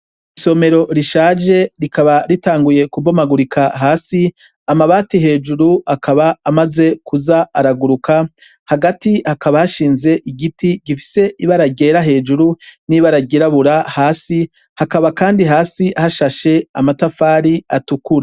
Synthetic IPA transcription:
iso̞me̞ɾo̞ɾiʃaːʒe̞ɾikaβaɾitaːŋɡuje̞kubomaɡuɾikaɦaːsi | amaβaːtihe̞ːd͡ʒuɾuakʰaβaːmaze̞kuzaaɾaɡuɾuka | haɡatihakaβahaʃiːnze̞ʔiɡitiɡifi̥se̞ʔiβaɾaɡe̞ːɾaɦe̞ːd͡ʒuɾuniβaɾaɡiɾaβuɾahaːsi | hakaβakaːndiɦaːsihaʃaʃe̞amatafaːɾiatukuɾa

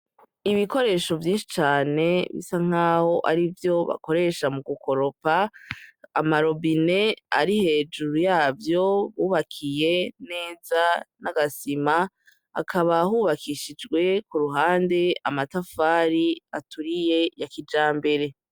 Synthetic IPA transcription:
iβiko̞ɾe̞ːʃo̞vjiːnʃi̥t͡ʃaːne̞βḭsaŋ̥aːho̞ʔaɾivjo̞βa̰ko̞ɾe̞ʃamuɡuko̞ɾo̞paː | maɾo̞bine̞a̰ɾihe̞ːd͡ʒuɾujaːvjo̞βuːβakʰije̞ne̞ːzanaɡasima | a̰kʰaβaɦuːβakʰiʃid͡ʒɡwe̞kuɾuɦaːnde̞amatafaːɾiatuɾije̞jakid͡ʒaːmbe̞ɾe̞

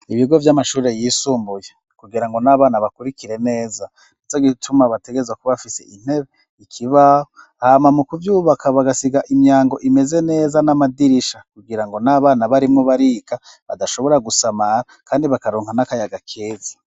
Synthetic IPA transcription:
iβiɡo̞vjamaʃuːɾe̞jiːsuːmbuje | kuɡiɾaŋɡo̞naβaːnaβakuɾikiɾe̞ne̞ːza | nutaɡitʰumaβateɡe̞zwakuβafise̞̰ʔin̥he̞βe | ikʰiβaho | haːmamukuvjuːβakʰaβaɡasiɡaʔimɲaːŋɡo̞ʔime̞ze̞ne̞ːzanamadiɾiʃakuɡiɾaŋɡo̞naβaːnaβaɾimuβaɾika | βa̰daʃoβo̞ɾaɡusamaɾakʰaːndiβakaɾoːŋhanakajaɡakʰeːzḁ

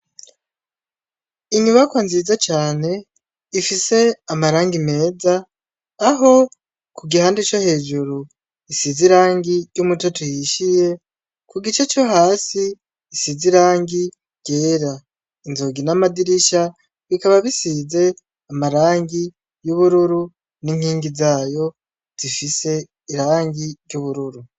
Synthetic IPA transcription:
iɲuβakwanzizat͡ʃaːne̞ | ifise̞amaɾaːŋɡime̞ːzaː | ɦo̞ | kuɡihandit͡ʃohe̞ːd͡ʒuɾu | isiziɾaːŋɡijumutotujiʃije̞ | kuɡit͡ʃe̞t͡ʃo̞ɦaːsiː | siziɾaːŋɡi | ɟ̥eːɾa | inzo̞ɡinamadiɾiʃa | βikaβaβisize̞ | amaɾaːŋɡi | juβuɾuɾu | niŋhiːŋɡizaːjo̞ | z̥ifise̞ | iɾaːŋɡiɟɟuβuɾuɾu

